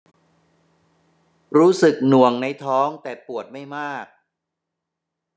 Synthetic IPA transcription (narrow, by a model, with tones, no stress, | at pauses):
ɾuː˦˥sɯ˨˩k̚nu˨˩əŋna˧˥jt̪ʰɔː˦˥ŋt̪ɛː˨˩pu˨˩ət̪̚ma˥˩jmaː˥˩k̚